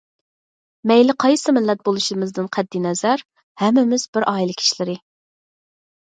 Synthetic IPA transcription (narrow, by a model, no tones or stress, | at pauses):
mɛjlɪqʰɑjsɨmɪlːɛt̪̚bolˠuʃɪmɪzd̪ɨnqʰɛd̪ːinɛzæɾ | hɛmːɪmɪzbɪɾʔɑːilˠɪkʲʰi̥ʃlɪɾɪ